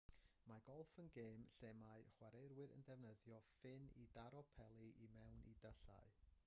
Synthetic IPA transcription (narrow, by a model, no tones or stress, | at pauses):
maɡɔlˠfənɡeːmɬɛmaɨχwaɾejɾwɪɾə̰ndɛvnəðjɔfɪnidaɾɔpʰɛlˠiʔimɛwnʔḭdəɬa̰ɨ